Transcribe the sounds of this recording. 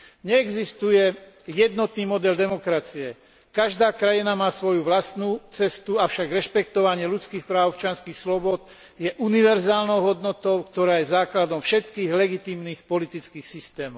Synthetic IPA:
ɲɛːɡzist̪ujɛ | jɛd̪nɔt̪niːmɔd̪ɛld̪ɛmɔkɾat͡siɛ | kaʒd̪aːkɾajinamaːsʋɔjuʋlast̪nuːt͡sɛst̪uafʃaɡɾɛʃpɛkt̪ɔʋaɲɪɛlut͡skiːxpɾaːʊpt͡ʃɪanskiːxslɔbɔd̪ | jɛʔuniʋɛɾzaːlnɔʊɦɔd̪nɔt̪ɔʊkt̪ɔɾaːjɛzaːklad̪ɔmfʃɛt̪kiːɣlɛɡit̪imnixpɔlit̪it͡skiːxsist̪ɛːmɔʊʊ

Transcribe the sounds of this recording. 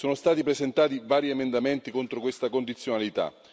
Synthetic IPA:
soːnost̪aːt̪ipɾezent̪aːt̪ivaːɾiemend̪ament̪ikont̪ɾokwest̪akond̪it̪sːjonalit̪a̰

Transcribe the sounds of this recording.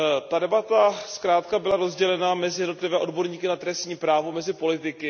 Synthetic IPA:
t̪adɛbat̪askɾaːt̪kabɪlaɾozɟɛlɛnamɛzɪjɛdno̞t̪lɪvɛːʔo̞dbo̞ɾɲiːkɪnat̪ɾɛst̪ɲiːpɾaːvomɛzɪpo̞lɪt̪ɪkɪ

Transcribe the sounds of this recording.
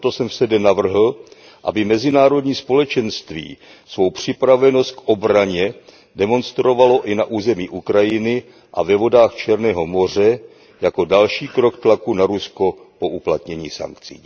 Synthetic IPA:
t̪o̞sɛmfsɛdɛnavr̩ɦl̩ | ʔa̰bɪmɛzɪnaːɾo̞dɲiːspo̞lɛt͡ʃɛnst̪vḭː | svo̞wpr̝̥ɪpɾavɛno̞st̪̚kʔo̞bɾaɲɛ | dɛmo̞nst̪ɾo̞valo̞ʔɪnaʔuːzɛmiːʔukɾajɪnɪ | ʔa̰vɛvo̞daːxt͡ʃɛɾnɛːɦo̞mo̞r̝ɛ | jako̞dalʃiːkɾo̞kt̪lakunaɾusko̞ | po̞ʔuplat̪ɲɛɲḭːsa̰ŋkt͡sḭː

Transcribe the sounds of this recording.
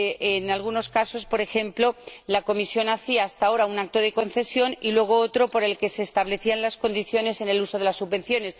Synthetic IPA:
ʔenalɣuno̞skaso̞spo̞ɾe̞xe̞mplo̞lako̞misjo̞naθiaːst̪ao̞ɾaunak̚t̪oð̞e̞ko̞nθe̞sjo̞nilwe̞ɣ̞o̞ot̪ɾo̞po̞ɾe̞lke̞se̞ːst̪aβ̞le̞θianlasko̞nd̪iθjo̞ne̞se̞neluso̞ð̞e̞lasːuββe̞nθjo̞ne̞s

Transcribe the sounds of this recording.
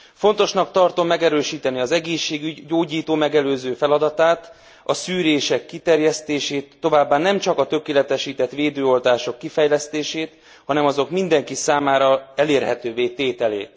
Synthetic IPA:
font̪o̞ʃnɒkt̪ɒrt̪o̞mːɛɡɛɾøːʃiːt̪ɛniɒzɛɡeːʃːeːɡyɟɟoːɟiːt̪oːmɛɡɛløːzøːfɛlɒd̪ɒt̪aːt̪ | ɒsyːɾeːʃɛkːit̪ɛrjɛst̪eːʃeːt̪ːo̞vaːbːaːnɛmt͡ʃɒkɒt̪ø̞keːlɛt̪ɛʃiːt̪ɛt̪ʋeːd̪øːo̞lt̪aːʃo̞kːifɛjlɛst̪eːʃeːt̪ | hɒnɛmɒzo̞kmind̪ɛŋkisaːmaːɾɒɛleːrɦɛt̪øːveːt̪eːt̪ɛlḛːt̪

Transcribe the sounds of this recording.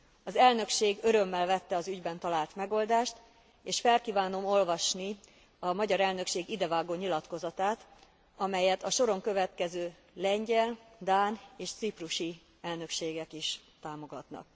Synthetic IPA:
ɒzɛlnø̞kʃeːɡø̞ɾømːɛlvɛt̪ːɛɒzyɟbɛnt̪ɒlaːlt̪mɛɡo̞ld̪aːʃt̪ | eːʃfɛlkiːvaːno̞mo̞lvɒʃni | ɒmɒɟɒɾɛlnø̞kʃeːɡid̪ɛvaːɡoːɲilɒt̪ko̞zɒt̪aːt̪ | ɒmɛjɛt̪ɒʃo̞ɾo̞ŋkø̞vɛt̪kɛzøː | lɛɲɟɛld̪aːneːʃt̪sipruʃi | ɛlnø̞kʃeːɡɛkiʃ | t̪aːmo̞ɡɒt̪nɒ̰k̚

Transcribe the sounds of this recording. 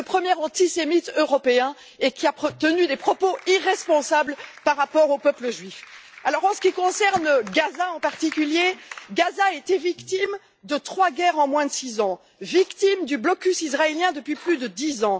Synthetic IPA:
əpχəmjɛʁɑ̃t̪isemit̪øʁɔpeɛ̃ | ekʲiapt̪ənyd̪epχɔpoiʁɛspɔ̃sablpaʁːapɔʁopœpləʒɥifalɔʁɑ̃sə̥kʲikɔ̃sɛʁnɡazaɑ̃paʁt̪ikʲyljeɡazaet̪ɛvikt̪im | d̪ət̪χwaɡɛʁɑ̃mwɛ̃d̪əsizɑ̃ | vikt̪imd̪yblɔkʲysizʁaeljɛ̃d̪əpɥiplyd̪əd̪izɑ̃

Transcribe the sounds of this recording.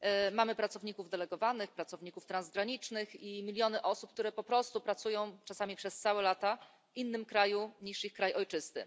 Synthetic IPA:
mamɘpɾat̪sɔvɲikuvd̪ɛlɛɡɔvanɘxpɾat̪sɔvɲikuft̪ɾanzɡɾaɲit͡ʂnɘximʲilʲjɔnɘʔɔsup̚k̚t̪uɾɛpɔpɾɔst̪upɾat̪sujɔ̃w̃t͡ʂasamʲipʂɛst̪sawɛlat̪a | ʔinːɘmkɾajuɲiʂixkɾajɔjt͡ʂɘst̪ɘ̰

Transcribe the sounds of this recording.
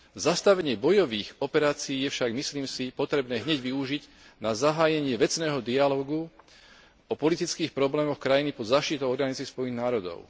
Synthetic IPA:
zast̪aʋɛɲɪɛbɔjɔʋiːxɔpɛɾaːt͡siiːjɛfʃaɡmisliːmsipɔt̪ɾɛbnɛːɦɲɛɟʋiuʒiɟ | nazaɦaːjɛɲɪɛʋɛt͡snɛːɦɔd̪ialɔːɡu | ɔpɔlit̪it͡skiːxpɾɔblɛːmɔxkɾajinipɔzaːʃt̪it̪ɔʊɔɾɡanit͡sispɔjniɣnaːɾɔd̪ɔ̰ʊ

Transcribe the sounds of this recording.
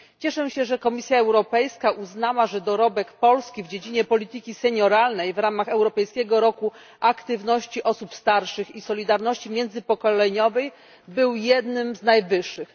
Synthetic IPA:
t͡ɕɛʂɛɕɛʐɛkɔmʲisʲjaɛwɾɔpɛjskaʔuznawaʐɛd̪ɔɾɔbɛkpɔlskʲivd͡ʑed͡ʑiɲɛpɔlʲit̪ɘkʲisɛɲɔɾalnɛjvɾamaxɛwɾɔpɛjskʲɛɡɔɾɔku | ʔakt̪ɘvnɔɕt͡ɕiʔɔsupst̪aɾʂɘxisɔlʲid̪aɾnɔɕt͡ɕimʲjɛnd̪zɘpɔkɔlɛɲɔvɛj | bɘwjɛd̪nɘmznajvɘʂːɘx

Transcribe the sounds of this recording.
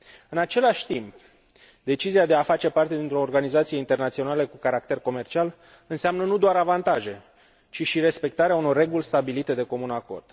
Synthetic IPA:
ɨnat͡ʃe̞laʃʲt̪imp̚ | d̪e̞t͡ʃiziad̪eafat͡ʃe̞part̪e̞d̪int̪ɾo̞ːrɡanizat̪sijeint̪e̞rnat̪sio̞naləkukaɾak̚t̪e̞rko̞me̞rt͡ʃial | ɨnseamnənud̪oaɾavant̪aʒe̞ | t͡ʃiʃiɾe̞spe̞k̚t̪aɾeauno̞rːe̞ɡulʲst̪abilit̪e̞d̪e̞ko̞munako̞̰rd̪̥

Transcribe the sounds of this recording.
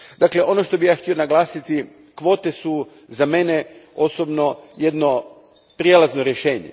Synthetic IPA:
d̪akle̞ʔo̞noʃt̪o̞bijaːxt̪io̞naɡlˠaːsit̪i | kʋo̞ːt̪esu | zame̞neo̞sobno̞jed̪no | pɾjelaznoɾjeʃeːɲḛ

